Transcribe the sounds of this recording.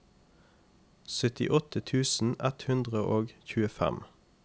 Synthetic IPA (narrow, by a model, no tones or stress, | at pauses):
sœt̪ɪ̰ʔɔt̪ət̪ʰʉːsn̩ʔɛt̪hʉnd̪ʁəʔoːɡçʉːəfæ̰m